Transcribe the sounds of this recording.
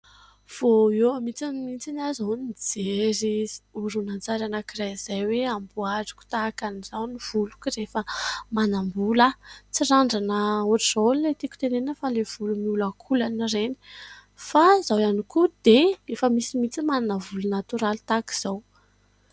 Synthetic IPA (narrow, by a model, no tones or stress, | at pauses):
v̥oewmit͡simint͡sinazanid͡zeɾiuɾunant͡saɾanakiraz̥ajweambuaʈ͡ʂu̥ku̥t̪akanizawniv̥ulu̥kirefəmanambulat͡siraɳɖ͡ʐanəuʈ͡ʂizollet̪iku̥t̪enenəfalev̥ulumiulakʰulanireni̥ | fazawanikud̪̥eefəmisimit͡simananavulunat̪uɾalit̪aki̥z̥aw